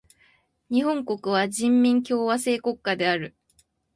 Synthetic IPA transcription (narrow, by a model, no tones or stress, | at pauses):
ɲ̟ihõ̞ŋko̞kɯ̟β̞aʑĩmːʲĩŋkʲo̞ːβase̞ːko̞kːad̪e̞aɾɯ̟